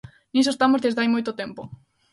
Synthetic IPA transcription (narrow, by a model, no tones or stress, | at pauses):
nisoest̪amozðezðeajmojt̪ot̪empo